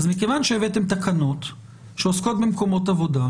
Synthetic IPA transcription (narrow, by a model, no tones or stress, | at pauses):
azmikevanʃeevet̪e̞mt̪akanot̪ | ʃeosko̞t̪̚bemko̞mo̞tavo̞da